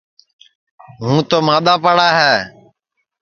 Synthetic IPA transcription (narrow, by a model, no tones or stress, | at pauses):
ɦũːt̪oːmaːɗ̪aːpəɽaːɦɛː